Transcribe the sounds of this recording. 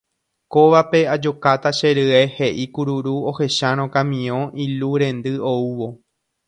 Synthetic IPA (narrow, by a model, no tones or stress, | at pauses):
koʋape̞ad͡ʒo̞kat̪aʃe̞ɾɨehe̞ʔikuɾuɾuo̞he̞ʃaɾ̃õkãmĩõʔiluɾẽ̞nd̪ɨo̞uʋo̞